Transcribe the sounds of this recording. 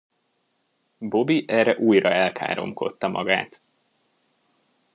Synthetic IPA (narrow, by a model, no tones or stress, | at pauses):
bo̞biʔɛːrɛʔuːjrɒɛlkʰa̰ːɾo̞̰mko̞̰t̪ːɒmʔɒ̰ɡa̰ːt̪